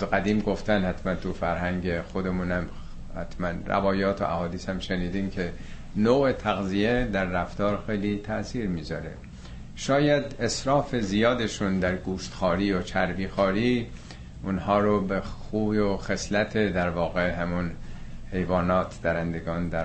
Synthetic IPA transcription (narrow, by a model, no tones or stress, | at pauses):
zɡæd̪iːmɡo̞ft̪ænhæt̪mænt̪ʰufæɾhæŋɟexod̪emuːnæm | hæt̪ʰmænræ̰vɒːjɒːt̪ʰo̰ʔæ̰hɒːd̪iːshæmʃeniːd̪iːmcʰe | noːet̪ʰæɣzijed̪æɾːæft̪ɒːɾxejlit̪ʰæʔsiːɾmiːzɒɾe | ʃɒːjæd̪esɾɒːfe̞zijɒːd̪e̞ʃund̪æɾɡuːʃt̪xɒːɾiːot͡ʃʰæɾbiːxɒːɾiː | ʔunhɒːɾobexuːjoxe̞slæt̪ʰed̪æɾvɒːɣe̞ɦæmunhe̞jvɒːnɒːt̪ʰd̪̥æɾænd̪eɡɒːnd̪æɾ